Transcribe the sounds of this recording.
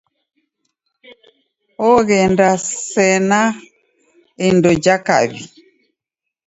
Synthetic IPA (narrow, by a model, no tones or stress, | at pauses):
ɔɣɛndasɛna | indɔd͡ʒaka̰βi